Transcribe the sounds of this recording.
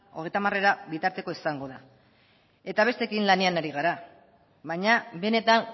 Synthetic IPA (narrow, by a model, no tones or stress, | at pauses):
o̞ɣe̞jt̪amare̞ɾaβit̪aɾt̪e̞ko̞isaŋɡo̞ða | e̞t̪aβ̞e̞st̪e̞kinlane̞anaɾiɣ̞aɾa | βaɲabe̞ne̞t̪an